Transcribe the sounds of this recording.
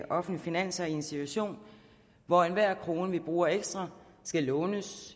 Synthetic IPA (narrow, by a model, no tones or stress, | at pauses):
ʔɒ̽fn̩lifinæn̰sɐie̝nsit͡sʰuæɕo̝̰ːn | ʋɒenʋæɐ̰kʰʁo̝ːnəʋib̥ʁuːɐeɡ̥sd̥ʁɐsɡ̥ælɔ̽ːnəs